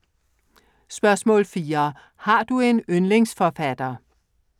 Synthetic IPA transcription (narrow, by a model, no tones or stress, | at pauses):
sb̥ɶɐsmɔ̰̽ːlfiːɐ | hɑ̈d̥ue̝nønle̝ŋsfɒfæd̥ɐ